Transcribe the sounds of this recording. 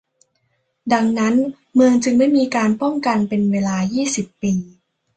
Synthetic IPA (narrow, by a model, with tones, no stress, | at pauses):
da˧ŋna˦˥n | mɯː˧ŋt͡ɕɯ˧ŋma˥˩jmiː˧kaː˧npɔ˥˩ŋka˧npe˧nweː˧laː˧jiː˥˩si˨˩pːiː˧